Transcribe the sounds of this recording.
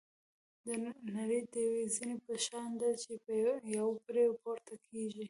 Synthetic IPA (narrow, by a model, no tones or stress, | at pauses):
d̪ənaɽid̪əwezinepəʃɑnd̪at͡ʃepəjawpɾeɡpoɾt̪akʰeʒi